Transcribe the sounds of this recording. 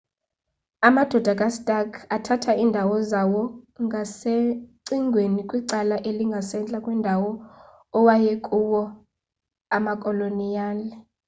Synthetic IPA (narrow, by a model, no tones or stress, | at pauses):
amad̥ʱɔd̥ʱakʼastʼakʰatʰatʰaiːndʱawɔzawɔŋʱaseǀiŋʱwenikʼwiǀalaʔeliŋɡʱasɛnt͡ɬʼakʼwɛndʱawɔ | ɔwajɛkʼuwɔ | amakʼɔlonijaːlɛ